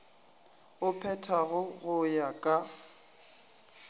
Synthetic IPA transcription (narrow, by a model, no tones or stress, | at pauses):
ʊpʰɛtʰaɣʊɣʊjakʼa